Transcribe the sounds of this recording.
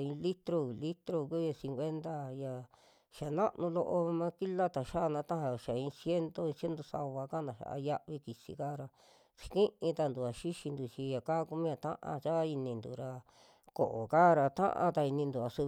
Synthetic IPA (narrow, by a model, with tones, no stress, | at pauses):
ĩ˧li˦t̪ɾo˧˨li˦t̪ɾo˧ku˦ja˧sĩ˧ŋkʷe˦nt̪a˦ja˨ | ʃa˨nã˦ʔnũ˧lo˧ʔo˧mã˦ki˦la˦t̪a˨ʃa˦˧nã˧t̪ã˦ã˧˨ʃa˨ĩ˧sje˦nt̪o˦ĩ˧sje˦nd̪o˧sa̰˧βa˧ka˦˨nã˨ʃa̰˨ʔa̰˧ja˦˧ʔβi˧ki˨sḭ˧ka˦˨˧ɾa˧ | t͡ʃi̥˧kĩ˦ʔĩ˧t̪a˧nd̪u˨a˨ʃi˦ʃi˧nd̪u˨t͡ʃi˧ja˨ka˦˧ku˦mĩ˦a˧t̪ã̰˦ʔã̰˧t͡ʃa˦i˧nĩ˧nd̪ṵ˨ɾa˧ | ko̰˨ʔo˨kaː˦ɾa˧t̪ã̰˦ʔã̰˧t̪a˧i˧nĩ˧nd̪u˨a˧˨su˧